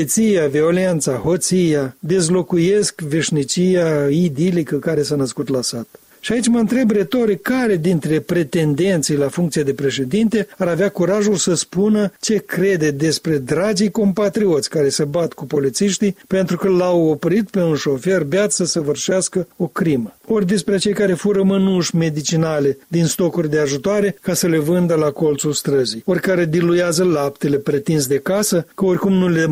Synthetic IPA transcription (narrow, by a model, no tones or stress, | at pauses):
t̪sijavio̞le̞nt̪saho̞t̪sijad̪e̞zlo̞kuje̞skve̞ʃʲnit͡ʃijaid̪ilikəkaɾe̞sanəskut̪lasat̪ | ʃiait͡ʃʲməɨnt̪ɾe̞bɾe̞t̪o̞ɾikkːaɾe̞d̪int̪ɾe̞pɾe̞t̪e̞nd̪e̞nt̪sijlafuŋkt̪siad̪e̞pɾe̞ʃe̞d̪int̪e̞aɾaveakuɾaʒulsəspunət͡ʃe̞kɾe̞d̪e̞d̪e̞spɾe̞d̪ɾad͡ʒijko̞mpat̪ɾio̞t̪sʲkaɾe̞səbat̪kupo̞lit̪siʃt̪ijpe̞nt̪ɾukəlawopɾit̪̚pe̞unʃo̞fe̞rbeat̪sʲsəsəvɨrʃaskəo̞kɾiməo̞rʲd̪e̞spɾet͡ʃe̞jkaɾe̞fuɾəmɨnuʃʲme̞d̪it͡ʃinale̞d̪inst̪o̞kurʲd̪e̞aʒut̪oaɾe̞kasəle̞vɨnd̪əlako̞lt̪sulst̪ɾəzijo̞rʲkaɾe̞d̪ilujazəlapt̪e̞le̞pɾet̪ins̬d̪e̞kasəkəo̞rʲkumnule